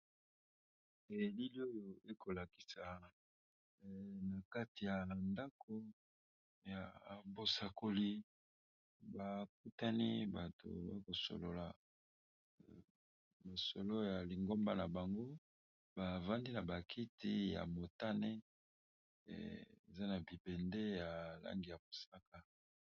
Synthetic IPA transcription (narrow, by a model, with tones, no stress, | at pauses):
e˨li˦li˦o˦jo˨e˦ko˨la˨ki̥˨sa˨ | na˨ka˦ti˨ja˨nda˦kʰo˦ | ja˨bo˨sa˨ko˨li˦ | ba˨k̚u˦ta˦ni˦ba˨to̰˨ba˦ko˨so̰˨lo̰˨la˨ | ma˨so˨lo˦ja˨li˨ŋɡo˦mba˦na˨ba˨ŋɡo˦ | ba˨va˦ndi˦na˨ba˨kʰi˦ti˦ja̰˨mo˨ta˦ne˦˨ | e˨za˦na˨bi˨bɛ˨nde˦ja˨la̰˦ŋɡi˨ja˨bo˨sa˦ka˨